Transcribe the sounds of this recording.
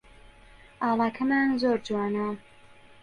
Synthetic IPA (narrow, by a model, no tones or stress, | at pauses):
ʔɑːlˠɑːkʰɐmaːnzoːɾd͡ʒwaːna